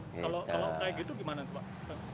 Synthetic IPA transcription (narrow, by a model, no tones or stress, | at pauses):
kalokalokaɛkit̪uɡimanat̪upaʔ | t̪a